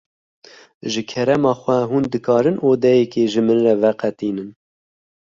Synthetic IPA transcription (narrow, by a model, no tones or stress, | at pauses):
ʒɨkʰɛɾɛmɑːxʷɛɦuːnd̪ɨkɑːɾɨnʔoːd̪ɛjɛkeʒɨmɨnrɛvɛqɛt̪iːnɨn